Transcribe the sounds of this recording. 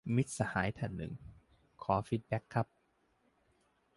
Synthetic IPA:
mi˦˥t̪̚sa˧haː˩˦jt̪ʰɛ˨˩nːɯ̰˨˩ŋ | kʰɔː˩˦fiː˦˥˩t̪̚bɛ˦˥kʰːa˦˥p̚

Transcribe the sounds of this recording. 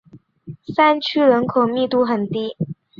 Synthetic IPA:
sa˥nt͡ɕʰy˥ɻə˧˥nkʰo˨˩ʊmi˥˧t̪u˥˧xə˨˩nt̪i˥

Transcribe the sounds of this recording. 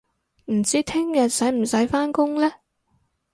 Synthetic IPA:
m̩˨˩t͡siː˥t̪ʰɪ˥ŋjɐ˨t̚sɐ˨˥jm̩˨˩sɐ˨˥jfaː˥nkʊ˥ŋlɛː˥

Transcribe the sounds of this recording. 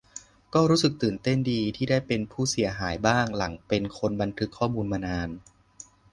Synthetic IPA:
kɔː˥˩ɾuː˦˥sɯ˨˩k̚t̪ɯː˨˩nt̪e˥˩ndiː˧t̪ʰiː˥˩daː˥˩jpe˧npʰuː˥˩si˨˩˦ɐɦaː˩˦jbaː˥˩ŋla˩˦ŋpe˧nkʰo˧nba˧nt̪ʰɯ˦˥kʰːɔː˥˩muː˧nmaː˧naː˧n

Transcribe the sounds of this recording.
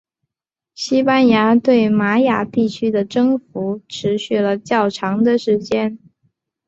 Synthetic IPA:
ɕi˥pa˥˩nja˧˥t̪we˥˩ɪma˧˥ja̰˨˩t̪i˥˩t͡ɕʰy˥d̪ə˨ʈ͡ʂɤ˥ŋfu˧˥ʈ͡ʂʰɻ̩˧˥ɕy˥˩lə˨˩t͡ɕjɑ˥˩ʊʈ͡ʂʰɑ˧˥ŋd̪ə˧ʂɻ̩˧˥t͡ɕjɛ˥n

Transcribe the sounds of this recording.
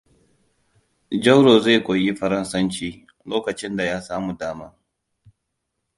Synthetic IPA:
d͡ʒɐ˦wɾoː˨ze˦˨kʷoː˨ji˦ɸɐ˦ɾɐ˦nsɐ˦nt͡ʃiː˦ | loː˦kɐ˨t͡ʃɪ˦nda˨jaː˦saː˦mu˨daː˦maː˦

